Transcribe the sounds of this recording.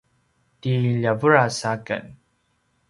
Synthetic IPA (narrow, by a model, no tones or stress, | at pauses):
tiʎavuɹasakə̰n